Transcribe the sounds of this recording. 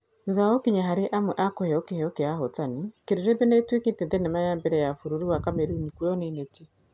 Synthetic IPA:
zawɔkiɲaɦaɾeʔamwɛʔakohɛɔkehɛɔkeaɦotanikeɾeɾebenetweketendenemajambɛɾɛjafuɾuɾiwakameɾunikwɔneneti

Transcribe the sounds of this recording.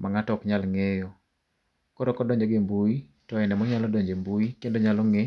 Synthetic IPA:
maŋatɔkɲalŋejɔ | koɾɔkɔdɔɲd͡ʒeɡɪmbui | tɔɛnɛmɔɲalɔdɔɲd͡ʒembuikendoɲalɔŋe

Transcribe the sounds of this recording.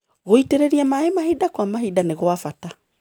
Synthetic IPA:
ɣoiteɾeɾiamaemahidakwamaɦidaneɣoafata

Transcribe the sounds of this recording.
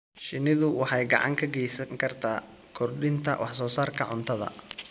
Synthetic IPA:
ʃɪnɪðʊwɑħɑjɡɑ̰ʕɑ̰ŋkʰɐɡɛjsɐŋkʰɐrt̪ʰaː | kʰɔrɖɪnt̪ʰɐwʔɑħsɔːsaːrkʰɐʕʊnt̪ʰɐðɐ̰

